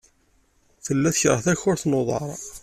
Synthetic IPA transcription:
θəlːæθəçɾˤəθæçʊɾθnoðˤɑ̰ɾˤ

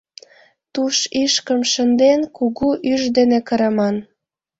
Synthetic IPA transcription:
t̪uʃiʃkə̆mʃə̆nd̪enkuɣuʔyʒd̪enekə̆ɾɑmɑn

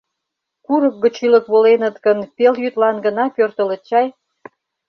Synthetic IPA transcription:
kuɾək̚ɡə̆t͡ɕylə̆kβolenət̪ɡənpeljyt̪lɑnɡə̆nɑpørt̪ələ̆t͡ɕɑj

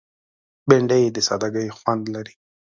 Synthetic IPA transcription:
beɳɖəjd̪əsɑd̪aɡəjxwand̪laɾi

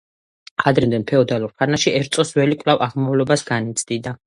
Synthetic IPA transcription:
qʼad̪ɾɛmd̪ɛnpʰɛɔd̪aluɾpʰanaʃiʔɛɾt̪sʼɔswɛlikʼvlavaʁmɔvlɔbasɡ̥anit̪sʰd̪̥id̪a

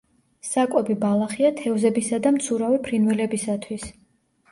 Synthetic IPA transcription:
sakʼɔbibalˠaχiat̪ʰɛvzɛbisad̪amt̪sʰuɾavipʰɾinwɛlɛbisat̪ʰwis

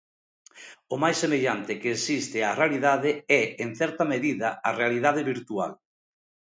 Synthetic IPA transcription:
ʊmajsːemeʎant̪ɪkeːsist̪ɪarealiðaðɪɛeŋ̟θɛɾt̪ɐmeðiðɐarealiðaðɪβiɾt̪ua̰l

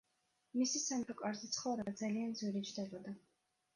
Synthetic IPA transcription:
misisamɔkʼaɾzit̪sʰχɔɾɛbad̪zalianzwɛɾit͡ʃd̪ɛlɔd̪a

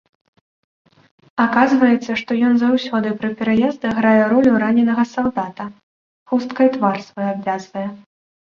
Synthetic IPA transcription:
akazvɐjɛt̪sːɐʂt̪ɔjɔnzawsʲɔd̪ɨpɾɨpʲɛɾajɛzd̪ɨɣɾajɛɾɔlʲuɾanʲɛnɐɣɐsawd̪at̪ɐ | xust̪kɐjt̪varsvɐjabvʲazvɐjɛ

